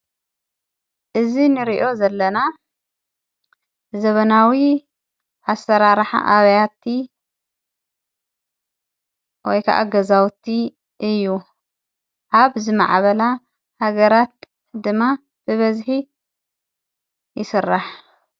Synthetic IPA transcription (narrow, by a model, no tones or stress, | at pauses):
ʔɨzinɨɾiʔo̞zɐlːɐna | zɐβɐnawi | ʔasɐɾaɾħa̰ʔaβɐjat̪ʰi | wɔjkʰa̰ʔa̰ɡɐzawt̪ʰi | ʔɨjːu | ʔaβzɨma̰ʕβɐla | haɡɐɾat̪̚ | d̪ɨmːa | b̥ɨβɐzħi | jɪsɨrːaħ